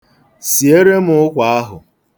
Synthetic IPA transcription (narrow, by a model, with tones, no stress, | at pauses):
si˨e˦ɾe˦mʊ˨ʊ˦kʷa˨a˦ɦʊ̰˨